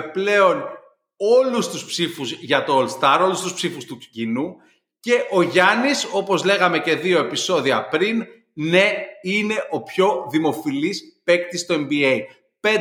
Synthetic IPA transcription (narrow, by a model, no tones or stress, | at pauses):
ple̞o̞n | o̞lust̪uspsifuzʝɐt̪o̞olst̪ɐɾo̞lust̪uspsifust̪uci̥cinu | ce̞ʔo̞ʝɐniso̞po̞zle̞ɣɐme̞ce̞ðio̞e̞piso̞ðiɐpɾin | ne̞ine̞ʔo̞pço̞ðimo̞filispe̞kt̪ist̪o̞embiei | pe